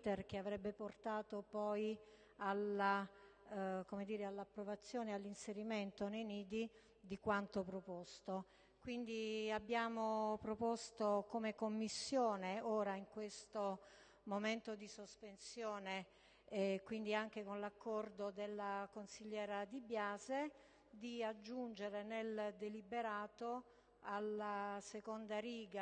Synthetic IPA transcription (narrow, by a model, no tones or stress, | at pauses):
t̪erk̟eavɾɛbːeport̪aːt̪opɔj | ala | komed̪iːɾealːapːɾovat̪sːjoːnealːinseɾiment̪onejniːd̪i | d̪ikwant̪opɾopost̪o | kwind̪iabːjaːmopɾopost̪okomekomːisːjoːneoːɾaiŋkwest̪o | moment̪od̪isospensjɔːne | kwind̪iaŋk̟ekonlakːɔrd̪od̪elːakonsiʎːɛːɾad̪ibjaːze | d̪iad͡ʒːund͡ʒeɾeneld̪elibeɾaːt̪o | alːasekond̪aɾiːɡa